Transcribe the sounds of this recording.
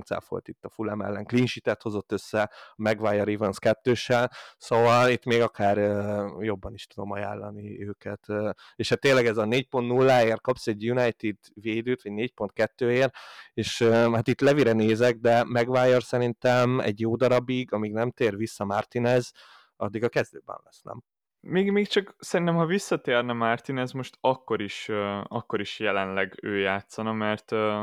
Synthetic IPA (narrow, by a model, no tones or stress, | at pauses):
sɛ̰lfo̰jt̪it̪ːɒfulɛmɛ̰lːɛŋklinʃit̪ɛt̪ho̞zo̞t̪ːøsːɛɒmɛɡvajɒɾivɛnskɛt̪ːøːʃɛlso̞vɒlit̪meːɡɒkʰaːrøjo̞bːɒniʃt̪ud̪o̞mɒja̰ːlːɒniøːkɛt̪ː | eːʃhat̪ːeːnlɛɡɛzɒneːc̚pont̪nulːaːeːrkɒpsɛɟjunɛjt̪id̪veːd̪øːt̪ʋɒɟneːc̚po̞nt̪̚kɛt̪ːøːeːreːʃøhat̪it̪lɛviɾɛneːzɛɡ̚d̪ɛmɛɡʋaːjorsɛɾint̪ɛmɛ̰ɟjoːd̪ɒɾɒbiɡɒmiɡnɛmt̪eːrʋisːɒmart̪inɛz | ɒ̰d̪ːiɡɒkɛzd̪øːbɛ̰nlɛ̰snɛ̰m | meːɡmeːkt͡ʃɒksɛɾint̪ɛmhɒvisːɒt̪eːrnɛmart̪inɛzmo̞ʃt̪ɒkːo̞ɾiʃɒkːo̞ɾiʃjɛlɛnlɛɡøːjaːt̪sɒnɒmɛrt̪ː